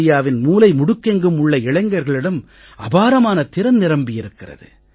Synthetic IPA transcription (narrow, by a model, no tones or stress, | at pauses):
ɪjaːʋɪnmuːlɐɪmʊɽʊkːeŋɡɯmʊɭːɐɪɭɐɪŋɡɐɾɣɐɭɪɽɐm | ɐbaːɾɐmaːnɐt̪ɪɾɐnnɪɾɐmbɪjɪɾɯkːɪrɐ̰ðɯ̰